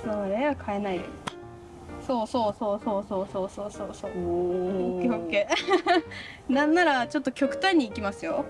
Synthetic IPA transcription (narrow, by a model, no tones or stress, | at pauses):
sonoɾeβakʰae̞nai | so̞ːsoːsoːsoːsoːsoːsoːsoːso | keokːeː | nãnːaɾat͡ɕo̞t̪ːokʲo̞kɯ̟̥t̪ãɲ̟ːiːkʲimasɨjo̞